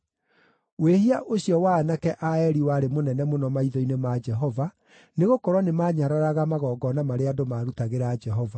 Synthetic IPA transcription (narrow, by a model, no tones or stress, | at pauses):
wehiaʔoɕijɔwaːnakɛʔaɛɾiwaːɾemonɛnɛmonɔmaiðɔinemad͡ʒɛɦɔva | neɣokɔɾwɔnemaːɲaɾaɾaɣamaɣɔːɡɔnamaɾeadomaɾutaɣeɾaːd͡ʒɛɦɔva